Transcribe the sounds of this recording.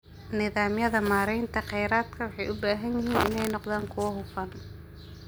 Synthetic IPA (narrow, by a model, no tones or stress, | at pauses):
nɪðaːmjɐðɐmaːɾɛjnt̪ʰɐqɛjɾaːd̪kʰɐwɑħɑjʔʊbaːɦɐnjɪɦiːnʔɪ̰nɛjnɔqðaːŋkʰʊwɐɦʊfɐn